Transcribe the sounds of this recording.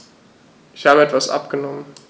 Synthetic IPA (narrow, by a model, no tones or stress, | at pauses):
ʔɪçhaːbəɛtv̥asʔa̰pɡ̥ənɔmən